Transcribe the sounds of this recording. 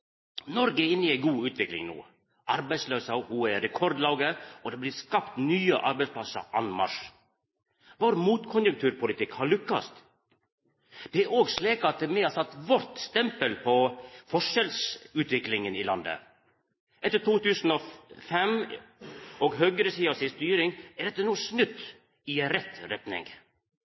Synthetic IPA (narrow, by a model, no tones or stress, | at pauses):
nɔɾɡəɪnːɪæɪɡuːʉːt̪ʋɪklɪ̰ŋnṵː | ʔɑɾbæɪsløːsɑʔuːɛɾɛkʰɔɾd̪lɑːɡəɔd̪ɛblɪːskɑpt̪nyːə̰ʔɑɾbɛɪsplɑsə̰ʔɑ̰nmɑ̰ʂ | ʋoːɾəmuːt̪kʰʊnjʉŋkt̪ʰʉːɾpʰʊlɪt̪ɪkhɑɾɭʏkːɑ̰st̪ | d̪̥ɛæɾoːɡsliːkɑt̪̚d̪mɛhɑsɑt̪ːʋɔɾt̪st̪ɛmpəlpʰɔfɔʂɛlsʉːt̪ʋɪklɪŋənɪlɑnd̪ə̰ | ʔɛt̪ːət̪uːt̪ʉːsn̩ɔfɛm | ɔɡɦøːɡəɾəsiːɑsɪst̪yːɾɪŋæɖɛt̪ːənuːsnʉt̪ː | ɪɛnɾɛt̪ɾɛt̪nɪ̰ŋ